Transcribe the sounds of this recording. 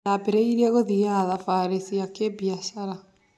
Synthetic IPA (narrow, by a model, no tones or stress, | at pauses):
abeɾeiɾiɛɣoðiaðafaɾesiakebiaɕaɾa